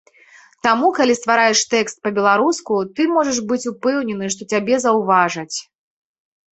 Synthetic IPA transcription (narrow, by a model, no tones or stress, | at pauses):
t̪amukalʲist̪vaɾajɛʂt̪ɛkst̪̚pɐbʲɛlˠaɾuskut̪ɨmɔʐɐʂbɨt͡sʲupɛwnʲɛnɨʂt̪ɔt͡sʲabʲɛzɐwvaʐɐt͡sʲ